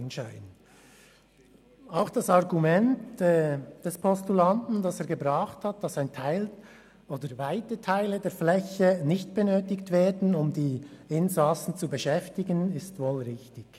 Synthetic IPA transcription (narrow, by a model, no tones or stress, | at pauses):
nʃaɪn | aʊxd̥ɑsɑʁɡumɛntɛd̥ɛspʰɔstulantn̩d̥ɑseːɐɡəbʁɑχthat̚d̥ɑsaɪntʰaɪl | ʔoːdəvaɪtətʰaɪlədeːɐflɛçənɪçt̚b̥ənøːtɪktveːdn̩ʊmdiːɪnzaːsn̩t͡subəʃɛftɪɡənɪstvoːlʁɪçtɪɡ̥